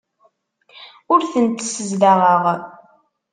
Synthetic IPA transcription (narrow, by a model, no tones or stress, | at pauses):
ʊɾθənt̪səzləʁˤəʁ